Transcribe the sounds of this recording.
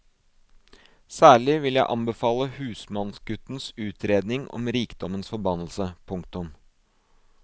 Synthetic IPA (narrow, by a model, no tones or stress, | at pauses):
sæːɭɪʋɪljæɪʔɑmbəfɑːləhʉːsmɑnsɡʉt̪nsʉːt̪ʰɾeːd̪nɪŋɔ̰mɾiːkd̪ɔmənsfɔɾbɑnəl̩səpʰʊŋk̚t̪ʊm